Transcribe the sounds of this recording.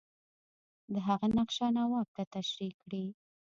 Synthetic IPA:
d̪əɦaɣanaqʃanawɑb̚t̪at̪aʃɾikɽi

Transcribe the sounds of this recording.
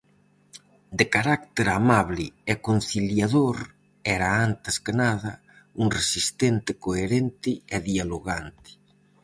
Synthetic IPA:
d̪ekaɾak̚t̪eɾamaβlɪɛkon̟θiljaðoɾ | ɛɾaant̪ɪskɪnaðɐ | uŋresist̪ɛnt̪ɪkoeɾent̪ɪɛðialoɣant̪ɪ̥

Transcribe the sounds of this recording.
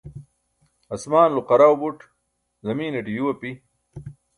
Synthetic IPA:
ɐsmaːnluqɐɾawbuʈ | zɐmiːneʈijuwɐpi

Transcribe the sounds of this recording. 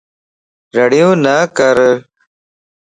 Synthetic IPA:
ɾəɽijõːnaːkəɾ

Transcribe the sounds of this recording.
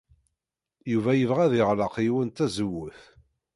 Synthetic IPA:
juvæjəvʁæðɪʁlɑqjwənt̪æzəwːəθ

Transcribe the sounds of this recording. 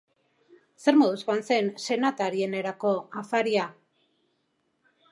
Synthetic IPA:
se̞ɾmoðuskoanse̞nse̞nat̪aɾie̞ne̞ɾako̞afaɾia

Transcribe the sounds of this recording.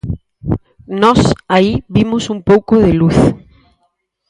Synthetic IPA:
nɔsaiβimʊsumpowkʊðɪluθ

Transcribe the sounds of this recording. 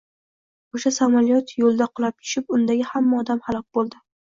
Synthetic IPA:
oʃasamaljɒt̪jolˠd̪aqʰʊlˠap̚t̪ʰʊ̥ʃɪp̚ʊnd̪aɡʲɪhamːaɒd̪amhalˠɒk̚ʲbolˠd̪ɪ

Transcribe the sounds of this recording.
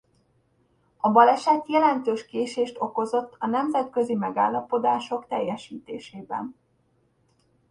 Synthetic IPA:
ɒbɒlɛʃɛt̪jɛlɛnt̪øːʃkeːʃeːʃt̪o̞ko̞zo̞t̪ːɒnɛmzɛt̪kø̞zimɛɡaːlːɒpo̞d̪aːʃo̞kt̪ɛjːɛʃiːt̪eːʃeːbɛ̰n

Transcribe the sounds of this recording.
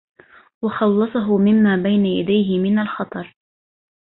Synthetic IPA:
wɑxɑlːɑsˤɑɦʊmɪmːaːbajnaja̰d̪ajɦɪmɪnalxɑt̪ˤɑɾˤ

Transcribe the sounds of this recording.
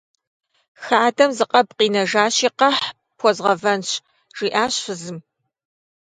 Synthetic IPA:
xaːdɐmzɨqʼɐbqiːnɐʒaːɕiːqɐħ | pʰɔzʁɐvɐnɕ | ʒ̥iːʔaːɕfɨzɨm

